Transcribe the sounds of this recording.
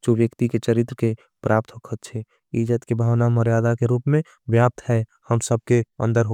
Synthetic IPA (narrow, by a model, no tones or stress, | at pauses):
d͡ʒoːʋjəkt̪iket͡ʃəɾɪt̪ɾəke | pɾaːp̚t̪ɦokʰət̪t͡ʃʰe | id͡ʒət̪kebʱaːʋnaməɾjaːd̪akeɾuːpmẽ | ʋjaːp̚t̪ɦɛhəmsəb̚keə̰̃nd̪əɾɦo